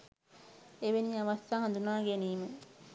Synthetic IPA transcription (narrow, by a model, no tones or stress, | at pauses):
eʋeniaʋast̪aːɦand̪unaːɡæniːmə